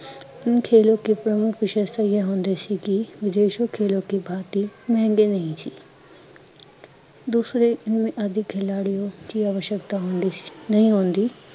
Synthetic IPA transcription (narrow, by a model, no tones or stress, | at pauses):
ɪnkʰeːlõkipɾɐmʊkʰʋɪʃest̪ɐijaɦõːnd̪esikiʋɪd̪eːʃokʰeːlõkibʱaːt̪imɐ̃ɦɛ̃ŋɡenɐɦĩsi | d̪uːsɾeɪnmẽʔɐd̪ʱɪkʰːelaːɽijokiaːʋəʃəkt̪aɦõːnnɐɦĩɦõːn̆d̪iː